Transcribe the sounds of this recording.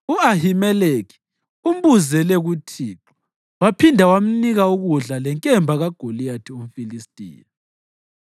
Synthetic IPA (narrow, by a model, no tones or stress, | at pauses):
uahimɛlekʰi̥ | um̩buzɛlɛɣutʰiːǁɔ̥ | wapʰindʱawam̩niɣauɣuɮalɛŋkʼɛmbʱaɣaɡ̥ʱoliatʰium̩filistʼḭːja